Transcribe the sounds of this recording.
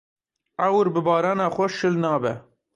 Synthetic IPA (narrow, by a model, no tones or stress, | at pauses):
æwɾbɨbɑːɾɑːnɑːxʷɛʃɨlnɑːbɛ̰